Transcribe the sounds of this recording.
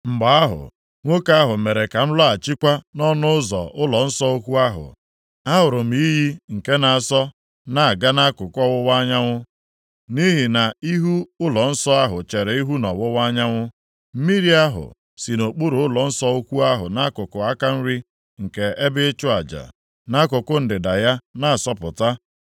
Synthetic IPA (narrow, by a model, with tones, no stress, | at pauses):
m̩˨ɡ͡ba˨a˦ɦʊ̰˨ | ŋʷo˦ka˦a˦ɦʊ˨me˨ɾe˨ka˨n̩˦lɔ˦a˨t͡ʃi˦kʷa˦nɔ˦nʊ˦ʊ˦zɔ̰˨ʔʊ˦lɔ˨n̩˦sɔ˦o˦kʷu˦a˦ɦʊ̰˨ | a˦ɦʊ˨ɾʊ˨m̩i˨˦ji˦ŋ̩˨ke˦na˨sɔ˦ | na˨a˨ɡa˦na˦kʊ˨kɔ˦wʊ˦wa˦ɲa˦ŋʷʊ˦ | ni˦ɦi˨na˨i˦ɦu˦ʊ˦lɔ˨n̩˦sɔ˦a˦ɦʊ˨t͡ʃe˨ɾe˨i˦ɦu˦nɔ˨wʊ˦wa˦ɲa˦ŋʷʊ˦ | m̩˦mi˦ɾi˦a˦ɦʊ̰˨ | si˨no˨k͡pu˦ɾʊ˨˦ʊ˦lɔ˨n̩˦sɔ˦o˦kʷu˦a˦ɦʊ̰˨na˦kʊ˨kʊ˨a˦ka˦n̩˦ɾi˦ | ŋ̩˨ke˨e˦bɪ˦t͡ʃʊ˦a˨d͡ʒa̰˨ | na˦kʊ˨kʊ˦n̩˨dɪ˨da˨ja˦na˦˨a˨sɔ˦pʊ˨ta˦